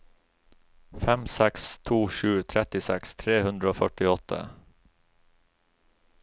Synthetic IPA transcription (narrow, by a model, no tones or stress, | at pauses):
fɛmsɛkst̪ʰuːʃʉːt̪ʰɾɛt̪ɪsɛkst̪ʰɾeːhʉnd̪ɾəoːfœʈɪɔt̪ʰə̰